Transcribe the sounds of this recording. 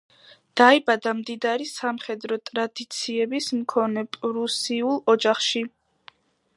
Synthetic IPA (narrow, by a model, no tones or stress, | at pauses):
d̪̥aibad̪amd̪id̪aɾisamχɛd̪ɾɔt̪ʼɾad̪it̪sʰiɛbismkʰɔnɛpʼɾusiulˠɔd͡ʒaχʃi